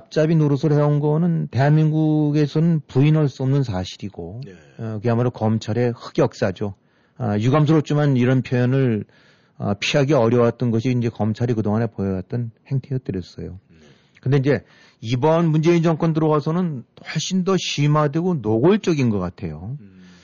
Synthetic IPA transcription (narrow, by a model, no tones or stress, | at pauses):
ap̚t͡ɕ͈abinoɾusʰʌɭhe̞onɡʌnɯnte̞ɦanmiŋɡuɡe̞sʰʌnɯnpuinʌɭs͈uʌmnɯnsʰaɕʰiɾiɡo | kɯamaɾokʌmt͡ɕʰaɾe̞hɯ̥ɡjʌk̚s͈ad͡ʑo | ʌjuɡams̬ʰɯɾot͡ɕ͈ʰimaniɾʌnpʰjojʌnɯɭ | ʌ̰pʰiɦaɡeʌɾjʌwat̚t͈ʌnɡʌɕʰiːnd͡ʑe̞kʌmt͡ɕʰaɾikɯdoŋane̞pojʌwat̚t͈ɯnhe̞ŋtʰejʌk̚t͈ɯɾijʌs͈ʌ̰jo | kɯndeind͡ʑe̞ | ibʌnmund͡ʑe̞ind͡ʑʌŋk͈wʌndɯɾʌɡasʰʌnɯnwaɭɕ͈indʌɕimadweɡonoɡoɭt͡ɕ͈ʌɡinɡʌk͈atʰe̞̰jo